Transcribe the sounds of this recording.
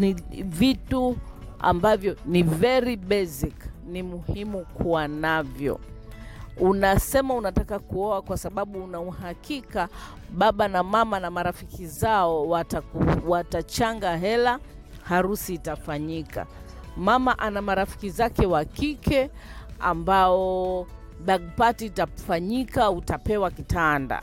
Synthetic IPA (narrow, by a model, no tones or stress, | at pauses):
nivitu | a̰mbavjɔnivɛɾiɓɛsiknimuhimukuwanavjɔ̰ | unasɛmaunatakakuɔakwasaɓaɓuːnauhakika | ɓaɓanamamanamaɾafikizaɔwatauwatat͡ʃaŋɡaɦɛla | haɾusiːtafaɲika̰ | mamaʔanamaɾafi̥kizakɛwakikʰɛ | a̰mbaɔ | ɓaɡ̚patiːtafaɲikautapɛwakitanda̰